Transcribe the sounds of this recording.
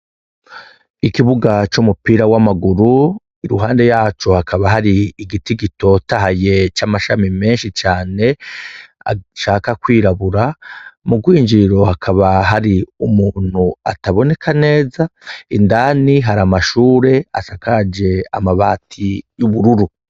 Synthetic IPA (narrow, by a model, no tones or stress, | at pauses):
ikiβuɡat͡ʃumupiːɾawamaɡuɾu | iɾuɦaːnde̞jaːt͡ʃo̞hakʰaβaɦaɾiːɡitiɡito̞taɦaje̞t͡ʃamaʃamime̞ːnʃit͡ʃaːne̞ | a̰ʃaːkakwiːɾaβuɾamuɡwiːɲd͡ʒiɾo̞hakʰaβaɦaɾiumuːn̥hua̰taβo̞ne̞kʰane̞ːzaindaːniɦaɾamaʃuːɾe̞a̰sakad͡ʒe̞a̰maβaːtʰijuβuɾuɾu